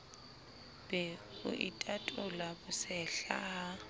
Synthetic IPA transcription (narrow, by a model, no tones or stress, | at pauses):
b̥ɛʊ̰ʔitʼatʼʊlabʊsɛɬaa